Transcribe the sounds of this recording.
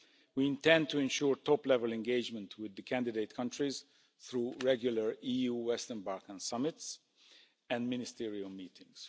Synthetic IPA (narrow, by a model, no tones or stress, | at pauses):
wiɪ̃ntɛ̃nd̚tʰuɛ̃nʃuːɹtɔplɛvəlɛ̃nɡeɪd͡ʒmə̃ntʰwɪðːəkʰæ̃ndɪdeɪt̚kʰʌ̃ntɹiz | θɹuːɹɛɡjuləɹijuwɛstə̃nbaɹkə̃nsʌmɪts | ɛ̃nmɪnɪstiɹiəlmiːtʰɪ̃ŋs